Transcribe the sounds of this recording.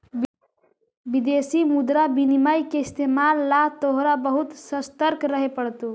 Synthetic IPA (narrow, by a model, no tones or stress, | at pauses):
bid̪esimud̪ɾabinimajkeɪst̪emalːat̪oɦɾabəɦut̪səst̪əɾkɾəɦepəɽt̪o